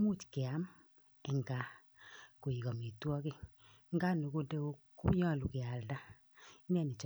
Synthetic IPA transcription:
mu˦˨t͡ʃke˨a˨˦m | ɛ˨ŋɡa˨ | ko˨i˨kɔ˨mi˨twɔ˦ke˦ | ŋɡa˦no˨ko˦de˦o˦ku˦ɲɔ˦˨lu˨ke˨a˨lda˦ | i˦nɛ˦ni˨t͡ʃ

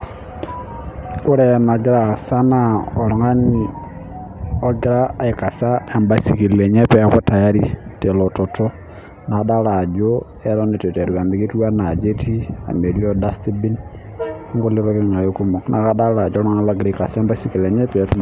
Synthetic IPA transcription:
o˦ɾɛ˦jna˨ɡi˦ɾa˨sa˦na˦ɔ˨lɔ˨ŋa˦ni˨ | ɔ˦ɡi˦ɾa˦i˨ka˨sa˦ɛ˨mba˨si˨ki˨lɛ˨ɲɛ˦pɛ˦kɔ˦ta˨ja˦ɾi˦te˨lo˨to˨to˦ | na˨da˦la˨d͡ʒo˦ | ɛ˦ɾɔ˦ne˨te˨te˨ɾu˨ka˨mbi˨ki˦twa˦na˨d͡ʒe˦tʰi˦a̰˨me˨li˦ɔ˦da˦sti˦bi˦n | ŋɡo˦le˦βa˦βe˦ŋa˨jo˦ku˦mo˨knʔa̰˨ka˦da˦la˨d͡ʒɔ˦lɔ˦ŋa˦βa˦ɡi˨ɾa˦i˨ka˨sa˦ɛ˦mba˦si˨ki˨lɛ˨ɲɛ˦pɛ˨tu˦

